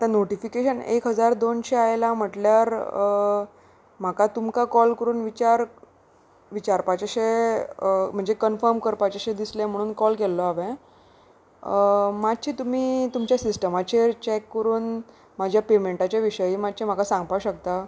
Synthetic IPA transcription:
at̪anoʈifikeɕənḛkɦəd͡zaɾd̪onɕeajlam̤əʈljaɾ | m̤akat̪umkakɔlkəɾuːnʋit͡ɕaɾ | ʋit͡ɕaɾpat͡ɕaɕe | m̤əɳd͡zekənfəɾmkəɾpat͡ɕaɕed̪islẽm̤əɽ̃uːnkɔlkelːɔaʋẽ | mad̪̚t͡ɕʰit̪um̤iːt̪umt͡ɕjasisʈəmat͡ɕet͡ɕɛkːəɾuːn | mad͡ʑʱjapemeɳʈat͡ɕjaʋiɕəjiːmad̪̚t͡ɕem̤akasãŋɡpaɕək̚t̪a

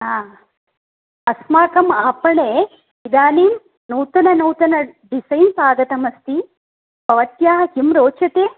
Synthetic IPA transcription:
ɦaː | ɐsmaːkɐmaːpɐɳeː | id̪aːniːm | nuːt̪ɐnɐnuːt̪ɐnɐɖisɐjnsaːɡɐt̪ɐmɐst̪i | bʱɐʋɐt̪jaːhimɾoːt͡ʃɐt̪eː

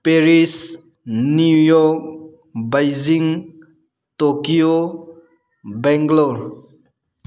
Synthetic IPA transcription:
peɾis | nujɔk̚ | bajziŋ | tokio | bɛŋɡlo

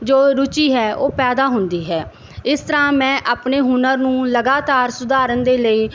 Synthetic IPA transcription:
d͡ʒoːɾʊt͡ʃiːɦɛːo̰ːpɛːd̪aːɦʊnd̪iːɦɛː | ɪst̪əɾãːmɛ̃ːʔaːpneːɦʊnəɾnũːləɡaːt̪aːɾsʊd̪aːɾənd̪eːləiː

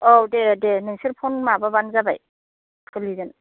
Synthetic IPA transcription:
ɔdedenɯŋsiɾpʰɔnmababanzabaj | kʰɯliden

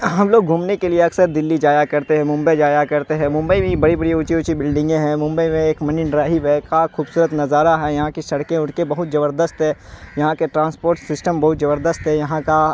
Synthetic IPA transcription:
ɦɐmloːɡ̚ɡʱuːmnekelieɐksəɾd̪ɪlːid͡ʒaːjakɐɾt̪eɦɛ̃mʊ̃mbəid͡ʒaːjakɐɾt̪eɦɛ̃mʊ̃mbəibʱĩbɐɽibɐɽiʊt͡ʃiʊt͡ʃibɪlɖɪ̃ŋɡẽɦɛ̃mʊ̃mbəimẽeːkmɐninɾaːɦiʋɛkaxuːbsuːɾət̪nɐzaːɾaɦɛjɐɦãkisɐɽkẽʊʈkebɐɦʊt̪̚d͡ʒɐβəɾd̪əst̪ɦɛ̃ːjɐɦãkeʈɾãːnspoːɾʈsɪsʈəmbɐɦʊt̪zɐbəɾd̪əst̪ɦɛjɐɦãka

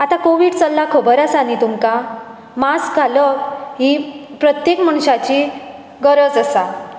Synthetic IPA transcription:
at̪akoʋiːɽt͡səlːakʰəbəɾasanit̪umka | maskaləɦipɾət̪jekm̤əɳ̃ɕat͡ɕi | ɡəɾəd͡zəsa

